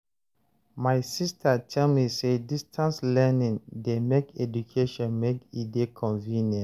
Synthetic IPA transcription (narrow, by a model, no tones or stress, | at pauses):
majsistʰatʰɛlmisedistʰãnslɛnĩndemekedukʰeʃɔ̃nmekidekʰɔ̃nvĩnjɛ̃